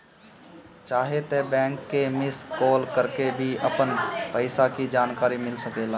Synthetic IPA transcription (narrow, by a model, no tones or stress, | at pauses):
t͡ʃaːɦet̪ebɛ̃ːŋkːemɪskoːlkəɾkebʱiəpənpəɪsakid͡ʒaːnkaːɾimɪlsəkeːlaː